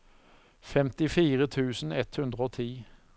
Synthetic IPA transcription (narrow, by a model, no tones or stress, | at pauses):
fɛmt̪ɪfiːʁət̪ʰʉːsn̩ɛt̪hʉnd̪ʁəoːt̪ʰiː